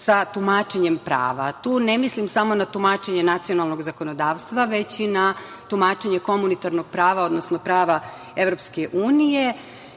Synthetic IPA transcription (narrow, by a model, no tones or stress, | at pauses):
sat̪umaːt͡ʃe̞ɲempɾa̰ːʋat̪uːne̞mislimsamo̞nat̪umat͡ʃe̞ɲenat̪sio̞nalˠno̞ɡzako̞no̞d̪aːʋst̪ʋaʋe̞t͡ɕina | t̪umaːt͡ʃe̞ɲe̞ko̞munit̪aɾno̞ɡ̥̚pɾaːʋao̞d̪nosno̞pɾaːʋa | e̞ʋɾo̞pskeʔuːnije